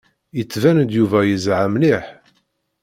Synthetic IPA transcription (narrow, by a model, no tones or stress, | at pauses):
jət͡sːvænd̪juvæjəzʕəmliħ